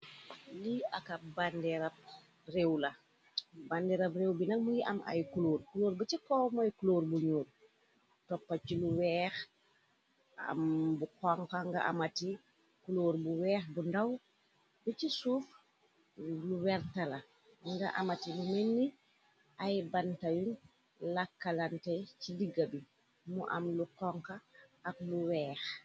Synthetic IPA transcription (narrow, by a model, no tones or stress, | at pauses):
liɐkɐbandɛɾɐp̚ | rewlɐ | bandɛɾɐprewbinɐk̚mujiʔɐ̰mʔa̰jkuloːrkuloːɾbɐt͡ʃikɔmajkuloːrbuɲuːr | tɔpːɐt͡ʃiluwɛːx | ɐ̰mbukɔŋkaŋɡɐ̰ʔa̰mɐti | kuloːɾbuwɛːxbundaw | bicisuːf | luwɛɾtala | ŋɡaʔa̰matiluminːi | ʔajbantajun | lakːalantɛjt͡ʃidiɡabi | muʔa̰mlukɔŋkaːk̚luwɛːx